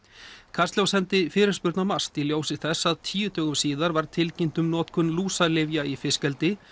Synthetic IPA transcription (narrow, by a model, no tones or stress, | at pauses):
kʰast̪ljawsɛnt̪ɪfɪːɾɪ̥spʏɾt̪namast̪iljoːwsɪθɛsːaðt̪ʰiːjʏt̪ʰœːɣʏmsiːðaɾvaɾ̥t̪ʰɪlcɪnt̪ʏmnɔːt̪kʰʏnluːsalɪvjaifɪscɛlt̪ɪ